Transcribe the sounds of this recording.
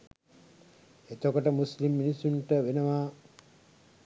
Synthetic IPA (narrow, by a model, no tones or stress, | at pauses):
et̪okəʈəmuslimːinisːuɳʈəʋenəʋa